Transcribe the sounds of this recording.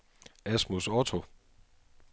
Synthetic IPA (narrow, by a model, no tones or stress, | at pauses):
æsmusɒt͡sʰo